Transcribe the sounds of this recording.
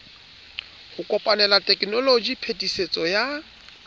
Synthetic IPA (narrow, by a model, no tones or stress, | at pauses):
hʊkʼɔpʼanɛlatʼɛkʼnɔlod͡ʒipʰetʼiset͡sʼɔja